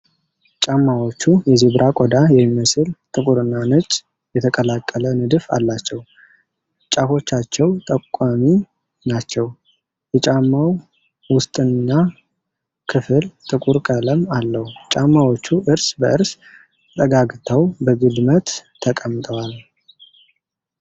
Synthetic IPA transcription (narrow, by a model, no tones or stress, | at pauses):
t͡ʃʼamːawo̞t͡ʃːujɛziβɾʔakʼɔd̪ajɛmmːəsɨlt̪ʼɨkʼuɾɨnːanɨt͡ʃʼ | jɛt̪ʰəkʼəlakʼːələnɨd̪ɨfa̰lːat͡ʃːɛw | t͡ʃʼafo̞t͡ʃːat͡ʃːɛwt̪ʼəkʷʼːami | nat͡ʃːɛw | jɛt͡ʃʼamːaw | wʊst̪ʼɨnːa | kʰɨfɨlt̪ʼɨkʼuɾkʼələmalːəhut͡ʃʼamːawo̞t͡ʃːuʔɨɾsbəʔɨɾs | t̪ʼəɡaɡt̪ʰəwbəɡɨd̪mət̪ʰː | əkʼəmt̪ʼʰəwal